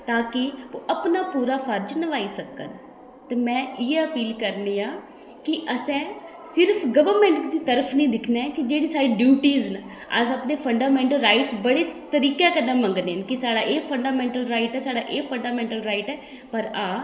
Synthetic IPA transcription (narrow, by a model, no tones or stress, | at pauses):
t̪aːkɪəpnaːpuːɾaːpʰəɾd͡ʒnəʋaːiːsəkːə̰n | t̪eːmɛ̃ːʔɪeəpiːlkəɾneːãː | kɪʔəsɛ̃ː | sɪɾpʰɡəʋəɾmɛ̃ɳʈd̪iːt̪əɾəpʰnĩːd̪ɪkʰnɛːkɪd͡ʒeːɽiːsaːɾiːɖjuːʈiːznə | ə̰səpneːpʰəɳɖaːmɛ̃ːɳʈəlɾaːɪʈsbəɽeːt̪əɾiːkãːkənːãːmə̃ŋɡneːnkɪsaːɽaːʔeːpʰəɳɖaːmɛ̃ːɳʈəlɾaːɪʈɛːsaːɽaːʔeːpʰəɳɖaːmɛ̃ːɳʈəlɾaːɪʈɛː | pəɾaː